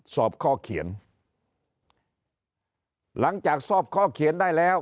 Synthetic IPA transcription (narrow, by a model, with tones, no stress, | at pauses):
sɔː˨˩p̚kʰɔː˥˩kʰi˨˩˦ən | la˨˦ŋt͡ɕaː˨˩k̚sɔː˥˩p̚kʰɔː˥˩kʰi˨˩˦əndaː˥˩jlɛː˦˥˩w